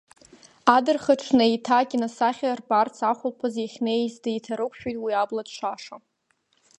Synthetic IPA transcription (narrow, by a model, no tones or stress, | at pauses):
adɨrχaʈ͡ʂʰnaitʰaɡʲɪnasaχʲarbart͡sʰaχʷʊlpʰɨzaχʲnezdajtʰaɾɨkʷʼħᶣojtʼwiabladt͡ʃʷʰaʂa